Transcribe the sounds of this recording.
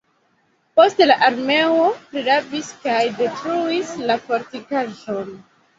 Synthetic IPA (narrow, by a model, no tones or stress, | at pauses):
po̞stelaʔaɾme̞opɾiɾaviskajde̞tɾuislafo̞ɾtikaʒo̞n